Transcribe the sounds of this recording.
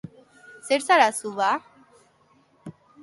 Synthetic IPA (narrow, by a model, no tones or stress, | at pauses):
seɾsaɾasuβa